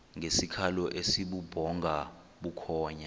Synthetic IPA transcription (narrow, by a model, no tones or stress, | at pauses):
ŋʱesikʰalɔʔesiɓub̥ʱɔŋɡʱa | ɓukʰɔːɲa